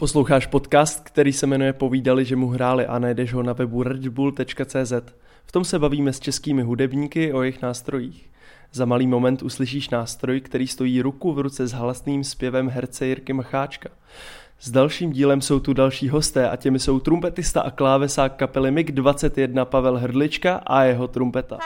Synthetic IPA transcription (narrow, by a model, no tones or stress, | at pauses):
po̞slowxaːʃpo̞t̪kaːst̪̚kt̪ɛɾiːsɛmɛnujɛpo̞viːdalɪʒɛmuɦɾaːlɪʔanajdɛʒɦo̞navɛbuɾɛdbuːlt̪ɛt͡ʃkat͡sɛːzɛt̪ | ft̪o̞msɛbaviːmɛst͡ʃɛskiːmɪɦudɛbɲiːkɪʔo̞jɛxnaːst̪ɾo̞jiːx | zamaliːmo̞mɛnt̪ʔuslɪʃ̬iːʃnaːst̪ɾo̞jkt̪ɛɾiːst̪o̞jiːɾukuvɾut͡sɛzɦlasniːmspjɛvɛmɦɛɾt͡sɛjɪɾkɪmxaːt͡ʃkḁ | zdalʃiːmɟiːlɛmso̞wt̪udalʃiːɦo̞st̪ɛːʔa̰cɛmɪso̞wt̪ɾumpɛt̪ɪst̪a̰ʔaklaːvɛsaːkːapɛlɪmɪɡdvat͡sɛt̪jɛdnapavɛlɦr̩dlɪt͡ʃkaʔajɛɦo̞t̪ɾumpɛt̪a̰